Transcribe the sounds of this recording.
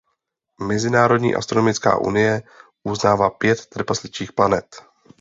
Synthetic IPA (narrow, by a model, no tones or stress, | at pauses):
mɛzɪnaːɾo̞dɲḭːʔa̰st̪ɾonomɪt͡ska̰ːʔṵnɪjɛ | ʔuznaːvaːpjɛt̪ːr̩paslɪt͡ʃiːxplanɛt̪